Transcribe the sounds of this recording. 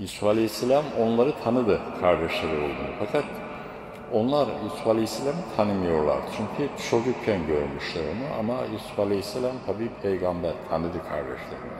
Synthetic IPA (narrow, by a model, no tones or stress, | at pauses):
jisufalʲehisːelʲamo̞nlˠaɾɯt̪ʰanɯd̪ɯkʰaɾd̪eʃlˠaɾɯolˠd̪unfakʰat̪ | o̞nlˠaɾjisufalʲeisːelʲamɯt̪ʰanɯmɯjo̞ɾlˠa̰ɾt͡ʃʰyɲcʰyt͡ʃʰoɡycʰænɟøɾmyʃlʲˠaɾonuʔa̰majisu̥falʲesːelʲamt̪ʰabiːpʰejɡambæɾt̪ʰanɯd̪ɯkʰaɾd̪ɛ̰ʃlˠa̰ɾɯ̰